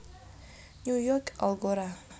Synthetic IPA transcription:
njujɔka̰lɡoɾa

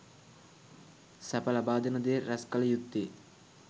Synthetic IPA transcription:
sɐpɐlɐbaːd̪ɐnɐd̪eːɾɐskɐlɐjut̪ːi

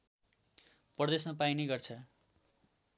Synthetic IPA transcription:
pʌrʌd̪esmapainejɡʌrt͡sʰʌ

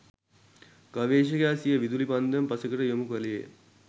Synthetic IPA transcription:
kɐʋeːʃ̬ɐkaːsijəʋid̪ulipɐnd̪ɐmpɐsɐkɐʈɐjomukuʋɐlijḛ

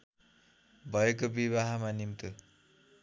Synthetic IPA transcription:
bʱʌek̬obiβaɦamanimt̪u

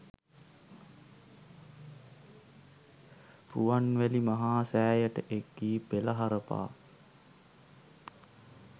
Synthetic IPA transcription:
puʋanʋælimaɦaːsæːjəʈəʔekːiːpeləɦaɾəpa̰ː

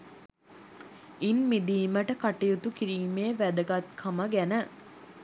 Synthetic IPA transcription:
inmid̪iːməʈəkɐʈijut̪ukiɾiːmeːʋæd̪əɡɐt̪kʰɐməɡænə

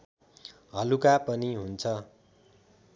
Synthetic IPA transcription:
ɦʌlukapʌniɦunt͡sʰʌ

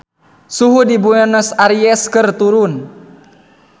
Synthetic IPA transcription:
suɦudibuɛnəsaɾiɛskɨrt̪uɾun

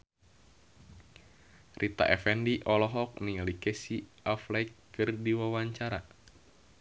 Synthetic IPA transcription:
rʔit̪a̰ʔɛfɛndiʔɔlɔɦɔk̚nialikɛsi | aflaikː | ɨrdiwawaɲt͡ʃaɾa

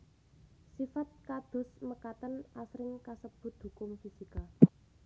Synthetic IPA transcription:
sifat̪̚kad̪̥ʊ̤sməkat̪ənʔasɾɪŋkasəb̥ʊ̤t̪̚hukʊmfisika

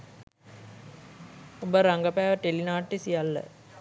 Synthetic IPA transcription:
obəɾaŋɡəpæːʋəʈelinaːʈːesijalːə̰

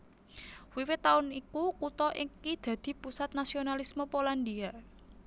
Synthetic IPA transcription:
wiwɪt̪aʊnikukut̪ɔʔɪŋkid̪̥ä̤d̪̥i̤pusat̪̚nasionalisməpoland̪ia

